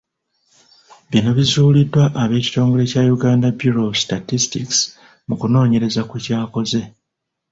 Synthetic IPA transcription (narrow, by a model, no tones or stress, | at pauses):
βino̞βizuːlidːwaʔːβe̞ːci̥to̞ːŋɡo̞le̞cajuɡaːndabjuɾo̞statistiks | mukuno̞ːɲe̞ɾe̞zakucaːko̞ze̞